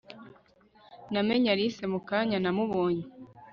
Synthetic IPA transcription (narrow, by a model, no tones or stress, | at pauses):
nameɲaɾisemukaɲanamuβoːɲe